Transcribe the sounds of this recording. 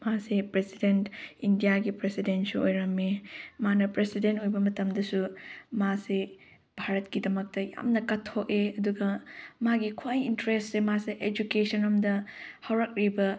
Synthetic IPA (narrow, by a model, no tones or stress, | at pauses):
masepɾesidentindijaɡipɾesidensuojɾɐmemanɐpɾesidentojbɐmɐtɐmdɐsumase | bʱaɾɐtkidɐmɐk̚tɐja̰mnɐkɐtʰːok̚eɐduɡɐmaɡikʰwajintɾestsemaseʔed͡ʒukesɐnɐmdɐhɐwɾɐk̚ɾibɐ